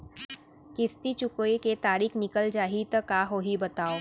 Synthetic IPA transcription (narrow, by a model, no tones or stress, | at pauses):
kɪst̪it͡ʃʊkoiket̪aːɾiːkʰnɪkəld͡ʒaːɦit̪əkaːɦoːɦibɐt̪aːoː